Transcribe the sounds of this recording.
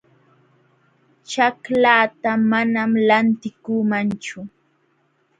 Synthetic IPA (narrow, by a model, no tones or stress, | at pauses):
t͡ʃaklaːt̪amanamlant̪ɪkuːmant͡ʃʊ